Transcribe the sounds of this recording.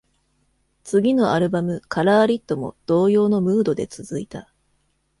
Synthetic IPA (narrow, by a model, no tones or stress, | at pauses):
t͡sɨɡʲino̞aɾɯ̟bamɯ̟kaɾaːɾʲit̪ːo̞mo̞̰d̪̥o̞ːjo̞ːno̞mɯ̟ːd̪o̞d̪e̞t͡sɨzɨit̪a